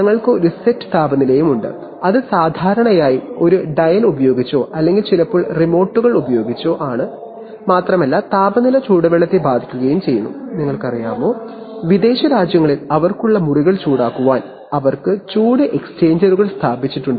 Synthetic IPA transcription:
ɲɐŋːɐɭkɨo̞ɾusetːɨ̥t̪aːbɐnilɐjumuɳɖɨ̰ | ɐðɨsaːd̪ʱaːɾɐɳɐjaːjio̞ɾuɖɐjɐlubɐjo̞ːɡit͡ɕːo̞ːʔɐlːe̞ŋɡilt͡ɕilɐpːoːɭrimo̞ːʈːuɣɐɭubɐjo̞ːɡit͡ɕːo̞ːʔaːɳɨ | maːt̪rɐmɐlːɐt̪aːbɐnilɐt͡ɕuːɽɐʋeɭːɐt̪ːebaːd̪ʱikʲːuɣɐjumt͡ɕe̞jːunːṵniŋːɐɭkɐrijaːmo̞ː | ʋid̪e̞ːɕɐɾaːd͡ʑjɐŋːɐɭilɐʋɐrkuɭːɐmuriɣɐɭt͡ɕuːɽaːkːuʋaːn | ɐʋɐrkɨt͡ɕuːɽɨʔekst͡ɕe̞ːɲd͡ʑɐɾuɣɐɭst̪ʰaːbit͡ɕːiʈːuɳɖɨ

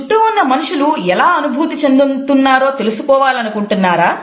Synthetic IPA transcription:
ʈːuunːɐmɐnuʂuluɛlaːɐnubʱuːt̪it͡ʃe̞nd̪ut̪unːaːɾo̞ːt̪e̞lusukɔːʋaːlɐnukuɳʈunːaːɾaː

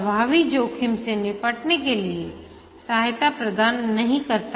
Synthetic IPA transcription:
bʱaːʋid͡ʒoːkʰɪmsenɪpəʈnekelie | saɦɦt̪apɾɐd̪aːnːɐɦĩkɐɾt̪a

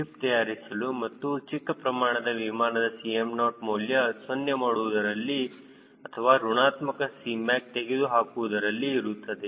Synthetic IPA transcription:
ipt̪ɐjaːɾisɐlumɐt̪ːut͡ʃikːɐpɾɐmaːɳɐd̪ɐʋimaːɳɐd̪ɐsiemnoːʈmuːljɐsʋɐnjɐmaːɽuʋud̪ɐɾɐlːi | ɐt̪ʰɐʋaːɾuɳaːt̪mɐkɐsiːmaːk̚t̪eɡed̪uɦaːkuʋud̪ɐɾɐlːiːɾut̪ːɐd̪e

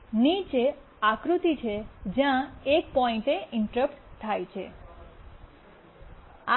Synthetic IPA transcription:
nit͡ʃe | akɾut̪it͡ʃʰed͡ʒjãekpɔĩɳʈeʔɪɳʈəɾəpʈt̪ʰajt͡ʃʰḛ | a

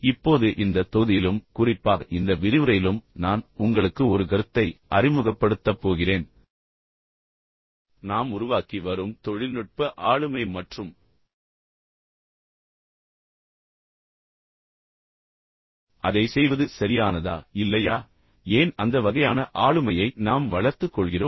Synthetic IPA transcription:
ɪpːoːðɯʔɪnd̪ɐt̪ɔðɪjɪlɯmkʊrɪpːaːɣɐʔɪnd̪ɐʋɪɾɪʋɯɾɐjɪlɯmnaːnʊŋɡɐɭɯkːɯɔɾɯɡɐɾɯt̪ːɐɪʔɐrɪmɯɣɐpːɐɽɯt̪ːɐpːoːɣɪreːn | naːmʊɾʊʋaːkiʋɐɾɯmt̪ɔɻɪnɯʈ̚pɐʔaːɻɯmɐɪmɐʈrɯm | ɐðɐɪsɛjʋɐðɯsɐɾɪjaːnɐða̰ːɪlːɐjaː | eːnɐnd̪ɐʋɐɣɐjaːnɐʔaːɻɯmɐjɐɪnaːmʋɐɭɐɾt̪ɯkːɔɭɣɪroː

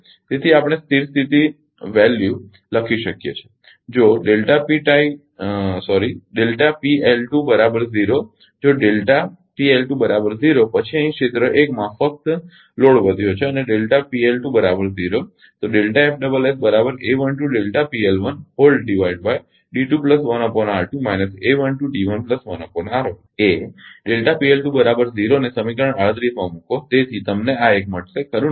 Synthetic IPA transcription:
t̪et̪ʰiapɽ̃est̪ʰiɾst̪it̪i | ʋɛlju | ləkʰiʃəkjḛt͡ʃʰe̥ | d͡ʒoɖelʈapiʈai | sɔɾiɖelʈapielʈubəɾabəɾziɾo | d͡ʒoɖelʈapielʈũbəɾabəɾziɾopət͡ʃʰiə̃ĩkʃet̪ɾəʔekmãfək̚t̪ | loɽʋəd̪ʱjot͡ʃʰeəneɖelʈapielʈũbəɾabəɾziɾo | t̪oɖelʈaefʰɖəbəlesbəɾabəɾeʋənʈuɖelʈapielʋənɦolɖɖiʋaiɖbaj | ɖiʈupləsʋənəponaɾʈumajnəseʋənʈuɖiʋənpləsʋənəponaɾo | eɖelʈapielʈũbəɾabəɾziɾonesəmikɾəɳaɭət̪ɾit̪ʰʋãmũkot̪et̪ʰit̪əmneaek̚məʈsekəɾũ

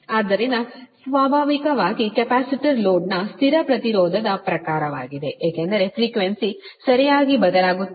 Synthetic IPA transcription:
aːd̪ɐɾinɐsʋaːbʱaːʋikɐʋaːɡikepaːsiʈiɾloːɖnɐst̪ʰiɾɐpɾɐt̪iɾɔːd̪ʱɐd̪ɐpɾɐkaːɾɐʋa̰ːɡid̪e̞ʔeːkend̪ɐɾe̞fʰɾiːkʋensisɐɾijaːɡibɐd̪ɐlaːɡu

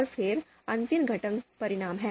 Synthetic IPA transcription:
əɾfeɾ | ənt̪imɡʱəʈəŋɡpəɾiɽ̃aːmɦɛ

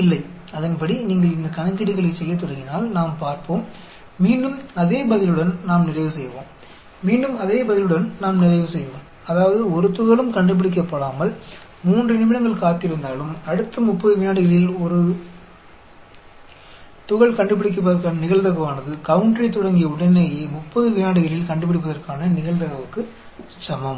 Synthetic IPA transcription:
ɪlːɐɪ | ɐðɐnpɐɽiniːŋɡɐɭɪnd̪ɐkɐɳɐkːɪɽɪɣɐɭɐɪsɛjːɐt̪̬ːɔɽɐŋɡɪnaːlnaːmpaːɾpoːmː | iːɳɖɯmɐðeːbɐðɪlɯɽɐnnaːmnɪrɐɪʋɯsɛjːɐʋo̰ːmː | iːɳɖɯmɐðeːbɐðɪlɯɽɐnnaːmnɪrɐɪʋɯsɛjːɐʋoːm | ɐðaːʋɐðɯɔɾɯt̪ʊɣɐɭɯmkɐɳɖɯp̬ːɪɽɪk̬ːɐpːɐɽaːmɐl | muːndrɯɪnɪmɪɽɐŋɡɐɭkaːt̪ːɪɾɯnd̪aːlɯmɐɽɯt̪ːɐmʊpːɐðɯʋɪjaːɽɯɣɐɭɪlɔɾɯ | t̪ʊɣɐɭkɐɳɖɯp̬ːɪɽɪk̬ːɐp̬ːɐðɐɾkaːnɐnɪɣɐɭt̪ɐɣɐʋaːnɐðɯkɐʋɯɳʈrit̪ɔɽɐŋɡɪjɐʊɽɐneːjeːmʊpːɐðɯʋɪjaːɽɯɣɐɭɪlkɐɳɖɯp̬ːɪɽɪpːɐðɐrkaːnɐnɪɣɐɭt̪ɐɣɐʋɯkːɯ | t͡ʃɐmɐm

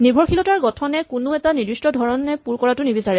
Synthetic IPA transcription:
nibʱɔɹxilɔtaɹɡɔtʰɔnɛkʊnʊɛtanidɹistɔdʱɔɹɔnɛpuɹkɔɹatʊnibisaɹɛ

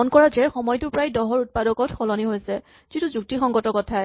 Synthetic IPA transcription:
ɔnkɔɹazɛxɔmɔjtʊpɹajdɔɦɔɹut̚padɔkɔtxɔlɔniɦojsɛ | z̥ituzuk̚tixɔŋɡɔtɔkɔtʰaɛ

